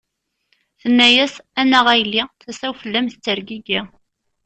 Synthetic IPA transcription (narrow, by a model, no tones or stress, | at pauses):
θənːæjæsænæʁæjlːiθæsæwfəlːæmθt͡sːəɾɡiɡi